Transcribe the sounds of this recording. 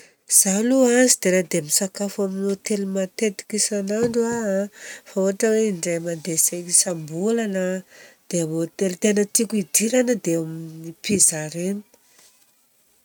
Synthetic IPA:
z̥aluazid̪̥eɾad̪emisakafaminot̪elimat̪et̪i̥kisanaɳɖ͡ʐua | faoaʈ͡ʂəweiɳɖ͡ʐemad̪esekisambulanəd̪̥eamot̪elt̪enət̪ikʲuid̪iɾanəd̪eaminipizaɾenu̥

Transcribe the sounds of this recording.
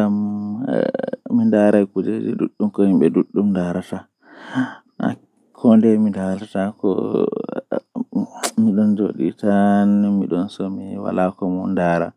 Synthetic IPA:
ɡam | mindaɾajkud͡ʒed͡ʒɛ̰duɗːumkɔhimɓɛduɗːumdaɾata | a̰ | kʰɔndɛmidaatakɔ̰ | miɗɔnd͡ʒo̰ːɗḭtanmiɗɔnsɔmiwa̰lakɔmɔndaːɾa̰

